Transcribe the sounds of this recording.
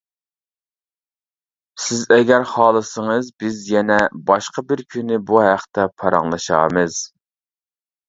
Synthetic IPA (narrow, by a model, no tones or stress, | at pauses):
sɪzɛɡʲæɾχɑːlˠɨsəŋɨzbɪzjɛnɛbɑʃqɑbɪɾkʲʰynɪbuɦæqt̪ʰɛpʰɑɾɑ̰ŋlˠɑʃɑ̰ːmɨz̥